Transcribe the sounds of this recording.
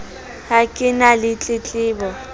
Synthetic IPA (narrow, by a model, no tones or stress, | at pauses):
hakʼɪnalɪt͡ɬʼɪt͡ɬʼɪːbɔ